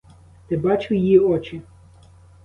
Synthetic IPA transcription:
t̪ɪbɑt͡ʃʊjiɔt͡ʃɪ

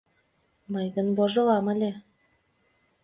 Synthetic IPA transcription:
mɤjɡɤ̆nboʒɤ̆lˠɑmælʲe

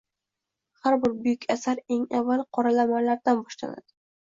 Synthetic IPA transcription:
haɾbɪɾbʊjʊkʲʰasaɾe̞ŋavːalˠqʰɒɾalamanlaɾd̪anbɒʃla̰na̰d̪̥ɪ

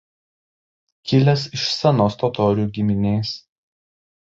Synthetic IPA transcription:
kʲɪlʲɛsɪʃsʲɛnoːst̪ɔt̪ɔːɾʲɪuːɡʲɪmʲɪnʲeːs

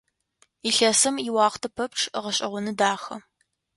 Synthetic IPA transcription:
iɬɐsɨmiwɑːχʷtʰɐpʰɐp̚ʈ͡ʂʰʁɐɕʼɐ̰ʁʷʊnɨdaːχɐ

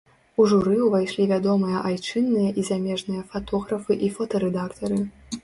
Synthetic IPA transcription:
uʐuɾɨwvajʂlʲivʲad̪ɔmɨjɐʔajt͡ʂɨnːɨjɐʔizamʲɛʐnɨjɐfat̪ɔɣɾɐfɨʔifɐt̪ɐɾɛd̪akt̪ɐɾɨ

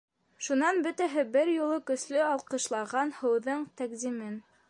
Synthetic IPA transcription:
ʃunɑnbɵt̪æɦɘbɘɾjulˠɤkɵ̆slɵɑlˠqɤ̆ʃlˠɑʁɑnhɤ̆wðɤɴt̪ækzimɘn

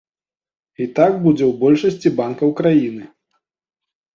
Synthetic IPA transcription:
it̪aɡbud͡zʲɛwbɔlʲʂɐsʲt͡sʲibankɐwkɾajinɨ

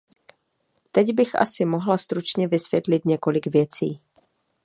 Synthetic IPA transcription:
t̪ɛɟbɪxʔa̰sɪmo̞ɦlast̪ɾut͡ʃɲɛvɪsvjɛt̪lɪt̪ɲɛko̞lɪɡvjɛt͡sḭː

